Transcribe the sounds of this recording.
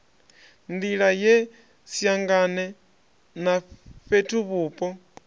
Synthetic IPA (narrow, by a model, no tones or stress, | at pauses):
ndilajɛ | sjaŋɡanɛ | nafɛtʰuβuːpʼɔ